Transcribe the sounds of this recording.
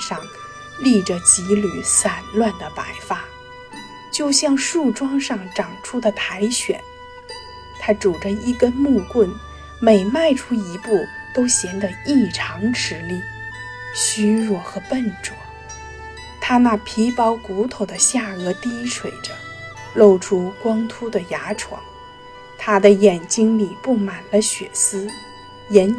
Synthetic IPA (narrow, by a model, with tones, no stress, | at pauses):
ʂɑ˥˧˩ŋ | li˥˩ʈ͡ʂə˩t͡ɕi˧˥ly˨˩sa˨˩nlwa˥˩nd̪ə˩pa˧˥ɪfa˥ | t͡ɕjo˥˧ʊɕjɑ˥˧ŋʂu˥˩ʈ͡ʂwɑ˥ŋʂɑ˥˩ŋʈ͡ʂɑ˨˩ŋʈ͡ʂʰu˥d̪ə˨˩t̪ʰa˧˥ɪɕɥɛ̰˨˩˦n | t̪ʰa˥ʈ͡ʂu˨˩ʈ͡ʂə˦i˧˥ɡə˧mu˥˧kwə˥˩n | me˨˩ɪma˥˩ɪʈ͡ʂʰu˥i˧˥pu˥˩t̪o˥ʊɕjɛ˧˥ŋd̪ə˧i˥˩ʈ͡ʂʰɑ˧˥ŋʈ͡ʂʰɻ̩˧˥li˥˩ | ɕy˥ɻwɔ˥˩xɤ˧˥pə˥˩nʈ͡ʂwɔ˨˧˩ | t̪ʰa˥na˥˩pʰi˧˥pɑ˧˥ʊku˧˥t̪ʰo˨˩ʊd̪ə˦ɕja˥˩ɤ˧˥t̪i˥ʂʰwe˨˩ɪʈ͡ʂə˦ | lo˥˩ʊʈ͡ʂʰu˥kwɑ˥ŋt̪ʰu˥d̪ə˨ja˧˥ʈ͡ʂʰwɑ̰˧˥ŋ | t̪ʰa˥d̪ə˨jɛ˨˩nt͡ɕi˥ŋli˨˩pu˥˩ma˨˩nlə˦ɕɥɛ˨˩sɹ̩˥ | jɛ˧˥n